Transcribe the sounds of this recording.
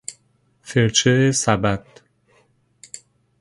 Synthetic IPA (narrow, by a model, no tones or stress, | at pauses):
feɾt͡ʃʰeesæbæt̪